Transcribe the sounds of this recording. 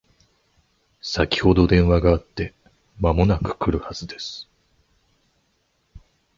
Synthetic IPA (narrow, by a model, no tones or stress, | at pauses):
sakʲi̥ho̞d̪o̞d̪ẽ̞ɰ̃βaɡaːt̪ːe̞ | mamo̞nakɯ̟̥kɯ̟ɾɯ̟haz̥ɨd̪e̞sɨ̥